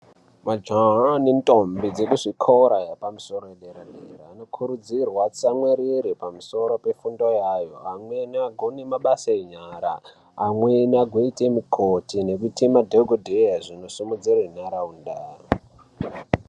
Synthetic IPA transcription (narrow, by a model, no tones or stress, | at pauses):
mad͡ʒaɦanentʼombid͡zekuʐikʰoɾajapamuso̞ɾojeɗeɾaɗḛɾa̰ːno̞kʰuɾud͡zirwat͡samweɾiɾipamuso̞ɾo̞pe̞fundojajo̞̰amwe̞naɡʱonemaɓasaeɲaɾa̰ː | mwenaɡʱoitemikʰotine̞k̬utimadʱeɡʱodʱejaʐino̞sumud͡zirenaɾaundaːr